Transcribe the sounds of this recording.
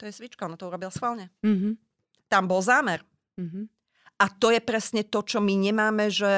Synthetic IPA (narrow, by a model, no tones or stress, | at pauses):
t̪ɔjɛsʋit͡ʃkaɔnat̪ɔuɾɔbilasxʋalɲɛɦ | t̪ambɔlzaːmɛɾ | ɦ | ʔat̪ɔjɛpɾɛsɲɛt̪ɔt͡ʃɔmiɲɛmaːmɛʒɛ